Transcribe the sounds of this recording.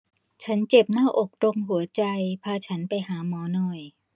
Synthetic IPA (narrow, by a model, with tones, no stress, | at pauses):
t͡ɕʰa˦˥nt͡ɕe˨˩p̚naː˥˩ʔo˨˩k̚do˧ŋɦu˨˩˦ɐt͡ɕa˧jpʰaː˧t͡ɕʰa˦˥npa˧jɦaː˩˦mɔː˨˦˥nɔ˨˩j